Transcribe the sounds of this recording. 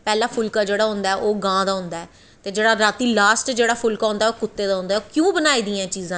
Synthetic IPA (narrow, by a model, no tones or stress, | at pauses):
pɛːlãːpʰʊlkaːd͡ʒeːɽaːɦʊ̃nd̪aːɛʔoːɡãːd̪aːɦʊ̃nd̪aːɛː | t̪eːd͡ʒeːɽaːɾaːt̪iːlaːsʈd͡ʒeːɽaːpʰʊlkaːõːnd̪aːɛoːkʊt̪ːeːd̪aːɦʊ̃nd̪aːoːkjõːbənaːiːd̪iːãːt͡ʃiːzãː